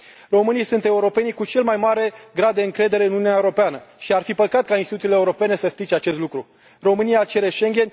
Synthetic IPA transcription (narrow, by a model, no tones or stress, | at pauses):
ro̞mɨnijsunt̪e̞uɾo̞pe̞nijkut͡ʃe̞lmajmaɾe̞ɡɾad̪̚ːe̞ɨŋkɾe̞d̪e̞ɾe̞ɨnununjaeuɾo̞peanəʃiarfipəkat̪̚kainst̪t̪ut̪ileuɾo̞pe̞ne̞səsp̪ɾit͡ʃeat͡ʃe̞st̪lukɾu | ro̞mɨnijat͡ʃe̞ɾeʃe̞ŋɡʲe̞n